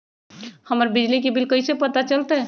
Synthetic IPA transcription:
həməɾbɪd͡ʒlikebɪlkəisepət̪at͡ʃəlt̪ɛ

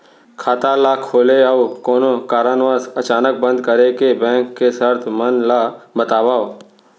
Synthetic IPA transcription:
kʰaːt̪alakʰoːleəʋukoːnokaːɾaːnʋaːsət͡ʃaːnək̚bə̃nd̪kəɾekebɛ̃ːŋkːesəɾt̪ʰmənlabət̪aːʋaːo

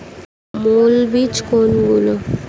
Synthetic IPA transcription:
molbit͡ʃkonɡulə

